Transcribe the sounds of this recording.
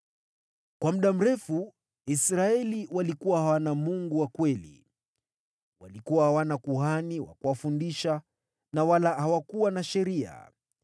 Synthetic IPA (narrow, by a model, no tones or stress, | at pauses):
kwam̩ɗam̩ɾɛfu | isɾaɛliwalikuwahawanamuŋɡuwakwɛlḭ | wa̰likuwahawanakuhaniwa̰kuwafundiʃa | nawalahawakuwanaʃɛɾia̰